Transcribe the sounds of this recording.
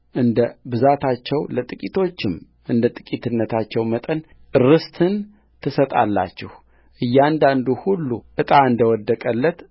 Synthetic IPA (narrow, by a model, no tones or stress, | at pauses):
ʔɨnd̪əbɨzat̪ʰat͡ʃːɛwlət̪ʼɨkʼit̪ʰo̞t͡ʃːɪm | ʔɨnd̪ət̪ʼɨkʼit̪ɨnːət̪ʰat͡ʃːɛwmət̪ʼən | ɨrɨst̪ʰɨn | t̪ʰɨsət̪ʼa̰lːa̰t͡ʃːɪh | ʔɨjːand̪and̪uhulːuʔɨt̪ʼaɨnd̪əwɔd̪ːəkʼəlːət̪